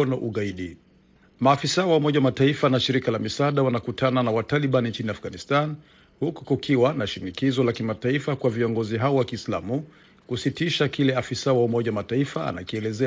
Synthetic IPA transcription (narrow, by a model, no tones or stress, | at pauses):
ɔnaʔuɣaiɗi | maːfisawaumɔʄawamataifanaʃiɾikalamisaɗawanakutʰananawataliɓanint͡ʃiniafɡanistan | huku̥kukʰiwanaʃinikizɔlakimataifakwaviɔŋɡɔziɦaɔwakiːsla̰mu | kusitiʃakilɛafisawaumɔʄawamataifaa̰na̰kiɛlɛzɛ